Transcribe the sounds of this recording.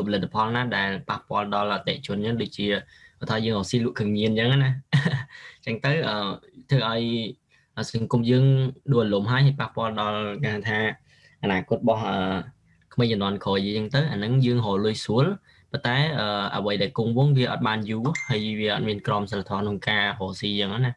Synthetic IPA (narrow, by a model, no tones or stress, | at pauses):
pʰɑlɨt̪ːḁpʰɑlnaːɗaɛlpahpŏəlɗɑlʔat̪ːɛ̰̆ʔt͡ɕʊ̆ənɲəŋɗoːc̚t͡ɕiə | ət̪ʰɑːjəːŋɦoːsiːlŭəʔkʰɨəŋɲiənt͡ɕəŋana | t͡ɕəŋt̪əwʔəːt̪ʰəːʔaɔj | ʔəːsɑŋkumjəːŋɗʊəʔalomɦaəjɦaəːjpahpŏəlɗɑlkahat̪ʰaː | ʔanaːkʊ̆ət̪̚ɓɑhʔəː | kʰməjt͡ɕanŏənkʰoːjəːŋt̪əwʔanɨŋjəːŋɦoːlʊəjsuəl | pont̪aɛʔəːʔa̰ʋəjɗaɛlkuŋʋʊ̆əŋʋiəʔɑ̰t̪̚ɓaːnjuːhəəjʋiəʔɑ̰t̪̚miənkrɑmsalat̪ʰɔːkʰnoŋkaːɦoːsiːjəŋanah